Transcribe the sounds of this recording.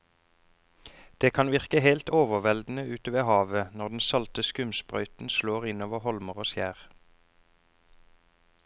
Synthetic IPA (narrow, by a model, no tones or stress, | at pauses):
d̪̥eːkʰɑnʋɪʁkəheɪlt̪oːʋəʁʋɛld̪n̩əʉːt̪əʋeːhɑːʋənɔʁd̪n̩sɑlt̪əskʉmsbʁœ̰ʏt̪n̩sloːʁɪnoːʋəʁhɔlməʁoːsjæːʁ